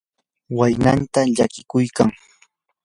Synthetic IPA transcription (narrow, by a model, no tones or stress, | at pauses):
wajnant̪aʎakɪkʊjkaŋ